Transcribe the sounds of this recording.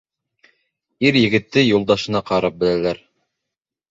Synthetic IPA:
iɾjɘ̆ɡɘ̆t̪ːɘjulˠd̪ɑʃɤ̆nɑqɑɾɑp̚bɘ̆lælæɾ

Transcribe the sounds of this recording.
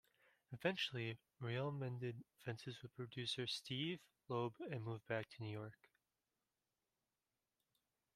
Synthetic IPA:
ɨvɛ̃nt͡ʃl̩ˠi | ɹilˠmɛ̃ndɨdfɛ̃nsɨzwɨð̥̚pʰɹ̥ɨdʉsə˞stʰiv̥ | loʊbɨ̃nmuvbæk̚tʰɨnʉjɔɹk

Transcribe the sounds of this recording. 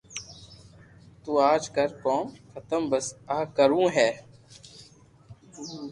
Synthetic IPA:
t̪uːaːd͡ʒkəɾkoːnxʰət̪əmbəsaːkəɾũːɦɛː

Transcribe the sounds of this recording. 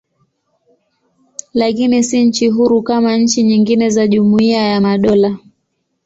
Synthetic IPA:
lakinisiɲ̩t͡ʃiɦuɾukamaɲ̩t͡ʃiɲiŋɡinɛzaʄumuiajamaɗɔla

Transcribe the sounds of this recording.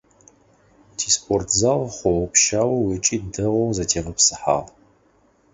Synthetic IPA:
tʰiːspʰʼortʰzaʁχʷɔwpʃaːwɐwet͡ʃʼiːdɨʁʷɐwzɐtʰeːʁɐpsɨ̥ħa̰ːʁ

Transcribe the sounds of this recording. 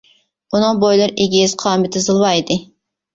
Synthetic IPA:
unɨŋbojlˠɨɾeɡʲiz̥qʰɑːmɪt̪ʰɪzɨlˠwɑid̪ɪ

